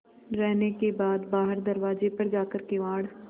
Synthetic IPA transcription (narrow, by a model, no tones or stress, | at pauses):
ɾɛɦnekebaːd̪baːɦəɾd̪ɐɾʋaːd͡ʒepɐɾd͡ʒaːkəɾkɪʋaːɽ